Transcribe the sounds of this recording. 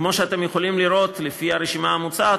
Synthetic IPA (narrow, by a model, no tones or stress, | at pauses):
kmo̞ʃeat̪e̞mjeχolimliɾo̞t̪lefiaɾeʃimaːmut͡sa